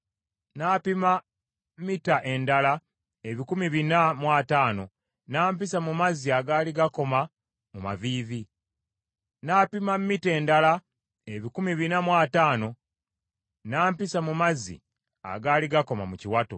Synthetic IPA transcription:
naːpima | mmitaʔe̞ndala | eβikumiβinamwaːtaːno̞̰ | naːmpisamumaziaɡaːliɡako̞ma | muma̰viːði | naːpimamːite̞ːndala | eβikumiβinamwaːtaːno̞ | naːmpisamumazḭ | a̰ɡaːliɡako̞ma̰muciwato̰

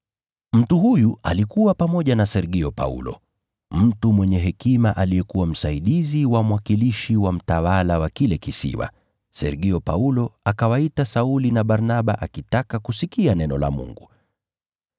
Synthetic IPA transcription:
m̩tuhujualikuwapamɔʄanasɛɾɠiɔpa̰ṵlɔ̰ | m̩tumwɛɲɛɦɛkimaʔalijɛkuwam̩saiɗiziwamwakiliʃiwam̩tawalawakilɛkisḭwa̰ | sɛ̰ɾɠiɔpaulɔakawaitasaulinaɓaɾnaɓaʔakitakakusikianɛnɔla̰mṵŋɡu

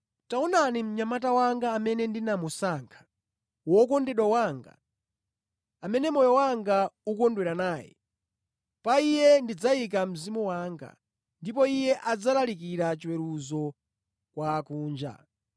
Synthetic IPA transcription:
taɔnanim̩ɲamatawaŋɡaːmɛnɛndinamusaːŋkʰḁ | wɔkɔndɛɗwawaːŋɡa̰ | amɛnɛmɔjɔwaŋɡaukɔndwɛɾanaːjɛ̰ | paijɛndid͡zajik̬am̩zimuwaːŋɡa̰ | ndipɔijɛʔad͡zalalikiɾat͡ʃiwɛɾuzɔ | kwaːkuːnd͡ʒa̰

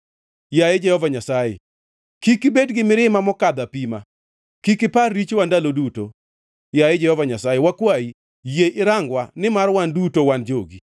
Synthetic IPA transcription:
jajed͡ʒɛhɔvaɲasajḛ | kikɪbedɡɪmɪɾɪmamɔkad̪apima | kikɪparːit͡ʃwandaloduto | jajed͡ʒɛhɔvaɲasajewakwai | jeʔɪɾaŋɡwanɪmarwandutowand͡ʒoɡi

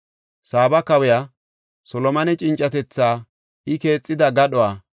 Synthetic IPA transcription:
saːbɐkɐwɛja | sɔlɔmɐnɛt͡ʃʼɪnt͡ʃʼːɐt̪ɛt͡sːaː | ɪke̞ːt͡sʼːɪd̪ɐɡɐɗɔwaː

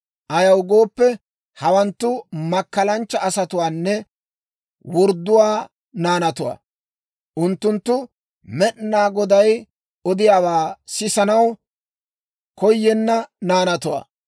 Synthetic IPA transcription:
ʔɐjɐwɡo̞ːpːɛ | hɐwɐnt̪ːʊmɐkːɐlɐnt͡ʃːɐɐsɐt̪ʊwaːnːɛ | wɔɾd̪ːʊwaː | naːnɐt̪ʊwa̰ː | ʔʊnt̪ːʊnt̪ːʊ | mɛɗnaːɡɔd̪ɐj | ɔd̪ɪjaːwaːsɪsɐnɐw | kɔjːɛnːɐnaːnɐt̪ʊwa̰ː

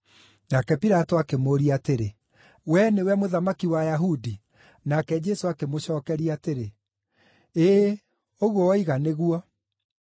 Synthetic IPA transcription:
nakɛpiɾatoakemoɾiateɾe | wɛnewɛmoðamakiwajaɦudi | nakɛd͡ʒɛsoakemoɕɔːkɛɾiateɾe | eː | oɣwɔiɣaneɣuɔ

